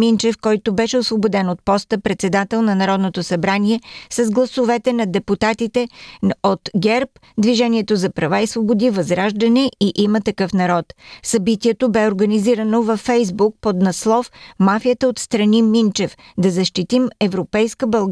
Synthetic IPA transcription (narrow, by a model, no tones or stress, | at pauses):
mint͡ʃɛfkɔjt̪obɛʃɛʊsvobod̪ɛnot̪̚pɔst̪əpɾɛt̪sɛd̪at̪ɛlˠnɐnɐɾɔd̪not̪osɐbɾaniɛsɐzɡlˠɐsovɛt̪ɛnɐd̪ɛput̪at̪it̪ɛot̪ɡɛɾp | d̪viʒɛniɛt̪ozɐpɾɐvaisvobod̪ivɐzɾaʒd̪ɐnɛiʔimət̪ɐkɤfnɐɾɔt̪sɐbit̪iɛt̪obɛoɾɡɐniziɾənovɐfːɛjzbuk̚pod̪nɐslˠɔfmafijət̪əot̪st̪ɾɐnimint͡ʃɛf | d̪ɐzɐʃt̪it̪imɛvɾopɛjskəbɐlˠɡ